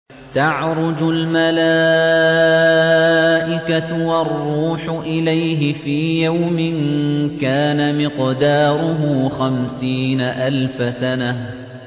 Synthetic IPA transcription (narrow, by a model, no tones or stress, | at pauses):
t̪aʕɾʊd͡ʒʊlmala | ʔɪkawɑrˤːuːħʊʔɪlajɦɪfiːjawmɪnkaːnamɪqd̪ɑːɾˤʊɦuːxamsiːnaʔalfasanah